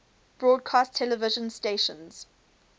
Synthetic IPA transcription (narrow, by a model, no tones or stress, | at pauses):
b̥ɹɔːd̚kʰastʰɛləvɪʒə̃nsteːʃə̰̃nz̥